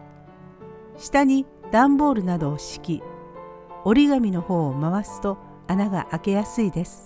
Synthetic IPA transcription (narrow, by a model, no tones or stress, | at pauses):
ɕi̥t̪aɲ̟i | d̪̥ãmbo̞ːɾɯ̟nad̪o̞ːɕi̥kʲi | o̞ɾʲiɡamʲino̞ho̞ːomaβasɨ̥t̪o̞ | anaɡa̰ʔake̞jasɨid̪e̞sɨ̥